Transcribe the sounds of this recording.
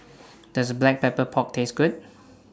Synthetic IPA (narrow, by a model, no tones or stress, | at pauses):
d̥ɔsəblɛk̚pɛpəpʰɔk̚tʰesɡut̚